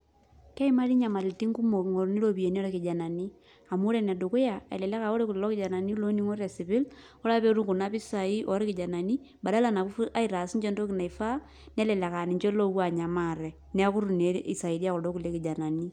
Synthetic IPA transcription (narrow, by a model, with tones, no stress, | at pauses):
kɛ˦i˦ma˦ɾi˦ɲa˨ma˨lɪ˨lti˦ŋɡu˦mo˨ŋɔ˨ɾni˦lo˦bi˨je˨ni˦ɔ˦ɾɛ˦kɪ˨d͡ʒa˨na˨ni˦ | a˨mu˦ɾɛ˦˨nɛ˨do˨kʊ˦ja˨ɛ̰˨lɛ˨lɛ˦ka˨o˦ɾe˦ku˨llɔ˦kɪ˦d͡ʒa˨na˨ni˦lo˦ni˦ŋo˦ɾɛ˨sɪ˨bɪ˦l | ɔ˦la˦pe˦ɾu˦ŋku˨na˦pi˦sa˨i˦ʔɔ˨ɾkɪ˨d͡ʒa˨na˨ni˦ | ba˨da˦la˦˨na˨u˦fʔa˦i˨ɾa˨si˦nt͡ʃɛ˦ndo˦ki˨na˨i˨fa˦ | nɛ˦lɛ˨lɛ˨ka˨nɪ˨ɲt͡ʃɔ˦lo˦wa˨ɲa˨ma˦˨ɾɛ˨ | nɛ˦kʊ˦ɾu˨ne˨˦i˨sa˨i˨di˦a˦kɔ˨dɔ˦ku˨le˦kɪ˨d͡ʒa˨na˨ni˦